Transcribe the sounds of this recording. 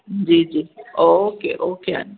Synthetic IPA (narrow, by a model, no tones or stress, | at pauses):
nd͡ʒid͡ʒiokḛʔokea̰n